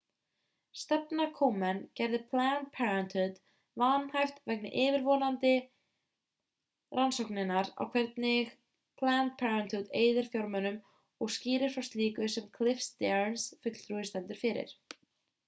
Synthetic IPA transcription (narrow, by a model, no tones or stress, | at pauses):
st̪ɛpnakʰowmɛncɛɾðɪpʰlant̪̚pʰɛɹant̪hʏt̪ | vanhajft̪vɛknɪʔɪːvɪɾvɔːnant̪ɪ | rʔansɔwknɪnːaɾa̰wkʰv̥ɛɾt̪nɪɣ | pʰlant̪̚pʰɛɹant̪hʏd̪eːjðɪɾ̥fjawɾmœnʏm | ɔɣsciːɾɪɾ̥fɾawst̪liːkʏsɛmkʰlɪfst̪ɛɹnsfʏt̪l̥t̪ɾuːɪst̪ɛnt̪ʏɾ̥fɪɾɪ̰ɾ̥